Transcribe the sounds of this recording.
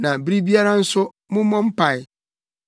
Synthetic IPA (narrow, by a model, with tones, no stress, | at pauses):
nã˨bi˦ɾi˦bi˦a˦ɾa˦n̩˦sʊ˦ | mʊ̃˦mɔ̃˦m̩˦pʰa˨ɪ˨